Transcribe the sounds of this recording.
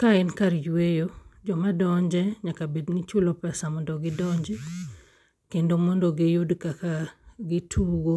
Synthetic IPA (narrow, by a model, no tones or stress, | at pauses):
kaɪnkaɾjwejod͡ʒɔmadɔɲd͡ʒɛɲakabednit͡ʃʊlɔpɛsamɔndɔɡɪdɔɲd͡ʒɛ | kendomɔndɔɡijudkakaɡɪtʰuɡo